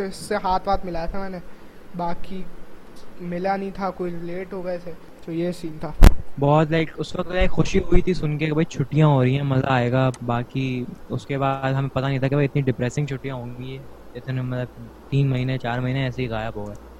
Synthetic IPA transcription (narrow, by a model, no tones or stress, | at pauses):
ɪsːeɦaːt̪ʰʋaːt̪mɪlaːjat̪ʰamɛːne | baːki | mɪlanɐɦĩt̪ʰakoːiɾɪleːʈɦoɡɛse | d͡ʒoːjesiːnt̪ʰaːbɔːt̪laɪkʊsʋɐk̚t̪laɪkxʊʃiɦʊit̪ʰisʊnkekebʱɐit͡ʃʰʊʈːijãɦoːɾɐĩãmɐzaːeːɡaːbaːkiʊskebaːd̪ɦɐmẽpɐt̪anɐɦĩt̪ʰakebʱɐiɪt̪niɖɪpɾɛːsɪ̃ŋɡt͡ʃʰʊʈijãɦõːŋɡiɦɛː | ɪt̪ʰnemɐt̪ləb̚ | t̪iːnmɐɦiːnẽt͡ʃaːɾmɐɦiːneɛːseɦiɣaːjəbɦoːɡɐeː